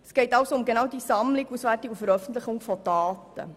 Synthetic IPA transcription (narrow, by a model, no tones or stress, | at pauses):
əsɡ̥ɛɪtɑwsoʊmɡenɑwdisɑmlɪkusʋærtɪkufəɾœfən̩tləχʊŋfɔd̥ɑːtə̰